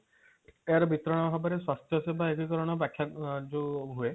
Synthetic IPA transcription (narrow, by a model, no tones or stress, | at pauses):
ejaɾɔbit̪ɾɔɽ̃ɔɦɔbɔɾeswast̪ʰjɔsebaekikɔɾɔɽ̃ɔbakʰːjad͡ʒuɦue